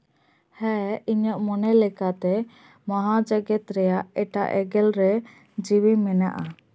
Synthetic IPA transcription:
hɛiɲəʔmɔnɛlɛkat̪ɛ | mɔɦad͡ʒaɡɛt̪ɾɛjaʔɛʈa̰ʔɛɡɛlɾɛ | d͡ʒiwimɛna̰ʔa

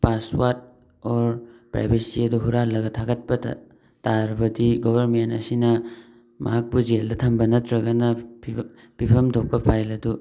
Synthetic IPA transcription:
paswat̚ | ɔɾpɾa̰jbesiɐduɦuɾalɐɡɐtʰaɡɐt̚pɐ̰ | taɾɐbɐdiɡɔbʱɐɾmentɐ̰sinɐ | mʔɐɦak̚bud͡ʒeldɐtʰambɐnɐtɾɐɡɐnɐ | pipʰɐmtʰok̚pɐpʰajlɐdu

